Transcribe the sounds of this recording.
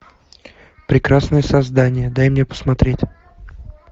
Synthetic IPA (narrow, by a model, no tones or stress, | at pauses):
pɾʲɪkɾasnəjəsɐzd̪anʲɪjəd̪ajmnʲepə̥smɐt̪ɾʲetʲ